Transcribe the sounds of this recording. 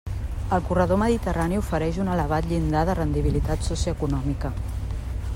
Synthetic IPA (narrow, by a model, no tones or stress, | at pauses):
əlˠkurəð̞oməðit̪ərʔaniufəɾɛʒunələβ̞at̪ʎind̪aðərənd̪iβ̞ilit̪at̪susiəkunɔmikə